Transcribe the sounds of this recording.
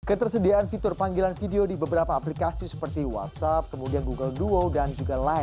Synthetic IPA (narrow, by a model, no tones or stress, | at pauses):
kət̪ərsədiaanfit̪ʊrpaŋɡilanfideodibəbəɾapaːplikasisə̥pərt̪iwa̰t̪sap̚kəmudianɡuɡəlduodand͡ʒuɡalaɪn